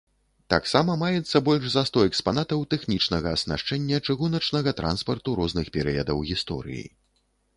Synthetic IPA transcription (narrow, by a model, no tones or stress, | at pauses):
t̪aksamɐmajɛt̪sːɐbɔlʲʐzɐst̪ɔɛkspanat̪ɐwt̪ɛxnʲit͡ʂnɐɣɐːsna̰ʂt͡ʂɛnʲːɐt͡ʂɨɣunɐt͡ʂnɐɣɐt̪ɾa̰nspɐrt̪uɾɔznɨxpʲɛɾɨjɐd̪ɐwɣʲist̪ɔ̰ɾɨ̰jḭ